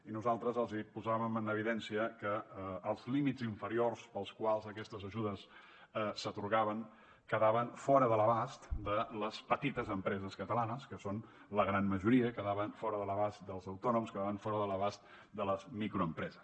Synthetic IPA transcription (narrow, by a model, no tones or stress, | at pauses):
inuzalˠt̪ɾəzəlˠzipuzaβəmənəβ̞iðɛnsiəkəːlˠzlimiziɱfəɾiorspəlˠskwalˠzəkɛst̪əzəʒuðəs | sət̪uɾɣaβəŋ | kəðaβənfɔɾəðələβast̪d̪ələspət̪it̪əzəmpɾɛzəskət̪əlanəskəson | ləɣɾanməʒuɾiəkəðaβəɱfɔɾəðələβast̪d̪əlˠzəwt̪ɔnumskəðaβəɱfɔɾəðələβast̪̚ | d̪ələzmikɾuəmpɾɛzəs